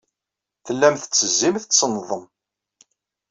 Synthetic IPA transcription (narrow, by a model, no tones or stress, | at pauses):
θəlːæmθə̥t͡sːəzːimθəsnːðˤəm